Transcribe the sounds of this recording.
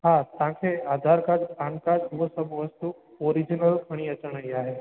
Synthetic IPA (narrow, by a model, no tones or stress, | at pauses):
ɦat̪ãkʰead̪ʱaɾkad͡ʒpankad͡ʒmusəbʋəst̪u | oɾid͡ʒinəlfəɽ̃iət͡ʃəɳ̃əiaɦe